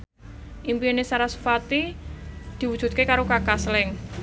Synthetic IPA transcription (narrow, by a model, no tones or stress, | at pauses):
ʔimpienesaɾasu̥fat̪i | d̪̥i̤wud̥ʒ̥ṳt̪̚kekaɾokakaslɪŋ